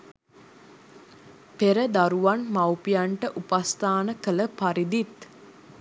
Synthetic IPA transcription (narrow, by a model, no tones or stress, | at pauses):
peɾəd̪aɾuʋanmawpijaɳʈəʔupast̪aːnəkələpaɾid̪it̪